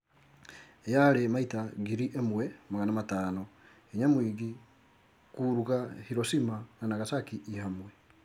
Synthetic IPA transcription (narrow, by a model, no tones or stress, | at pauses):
jaɾemaitaɡiɾiʔemwɛmaɣanamataːno | eɲamwiːɡi | kuɾuɣahiɾosimananaɣasakiʔihamwɛ